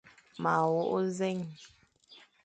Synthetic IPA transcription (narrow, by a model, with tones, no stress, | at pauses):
ma˨wo˦ʔo˦ze˦ŋ